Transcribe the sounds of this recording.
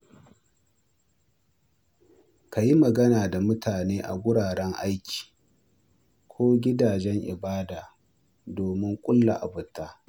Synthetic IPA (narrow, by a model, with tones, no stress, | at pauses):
ka˨ji˦mɐ˨ɡɐ˦naː˨da˨mʊ˦tʰaː˨neː˦ʔa̰˨ɡʷʊ˦ɽaː˨ɽɛ˦ŋʔa˦jkʲʰi̥ː˨ | kʷʰoː˦ɡʲɪ˦daː˨d͡ʒɛ˦ŋʔɪ̰˨baː˦daː˨ | doː˨mɪ˦ŋkʷʼʊ˦lːa̰˨ʔa̰˨bʊ˨tːaː˦